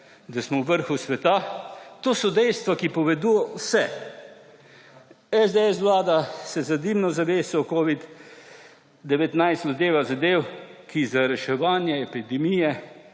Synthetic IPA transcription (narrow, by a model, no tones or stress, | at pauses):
d̪asmɔwʋəɾxusʋɛt̪at̪oːsɔd̪ɛjst̪ʋakipɔʋɛd̪uːjɔwsɛ | ɛzd̪ɛɛs̬ʋlaːd̪asɛzad̪imnɔzaʋeːsɔkoːʋid̪ | d̪ɛʋɛt̪najst̪zɐd̪eːʋazad̪eːwkizaɾɛʃɛʋaːnjɛɛpid̪ɛmijɛ